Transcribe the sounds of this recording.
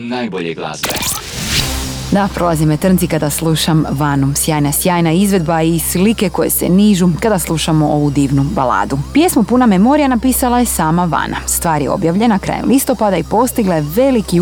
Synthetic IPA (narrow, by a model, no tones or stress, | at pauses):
najoʎeɡla̰ːe | d̪apɾo̞lˠazimet̪r̩nt̪sikad̪aslˠuːʃamʋanusjaːjnasjaːjnaizʋe̞d̪baislike̞ko̞jesḛniːʒukad̪aslˠuːʃamoʔoʋud̪iːʋnubala̰ːd̪upje̞smupunamemo̞ɾijanapiːsalˠaje̞saːmaʋa̰na̰st̪ʋaːɾjeo̞̰bjaʋʎe̞nakɾa̰ːjḛmlist̪o̞pad̪aipo̞st̪iɡlˠaeʋe̞liki